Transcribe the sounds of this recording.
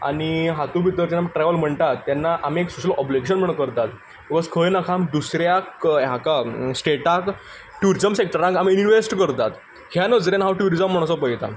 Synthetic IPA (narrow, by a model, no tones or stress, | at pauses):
a̰ɽ̃iɦat̪ũbʱit̪ːəɾd͡ʑenamʈɾaʋəlm̤əɳt̪at̪ːjanːaʔamieksuɕəlʔɔbliɡeɕ̬ənm̤əɽ̃kəɾt̪at̪ | bikɔzkʰəjnakʰamd̪usɾjakɦakasʈeʈak | ʈjuɾid͡zəmsek̚ʈəɾãŋkamiːniʋesʈkəɾt̪at̪ | hjanəd͡zɾenɦawʈjuɾizd͡zəm̤ːəɽ̃asɔpəjt̪a̰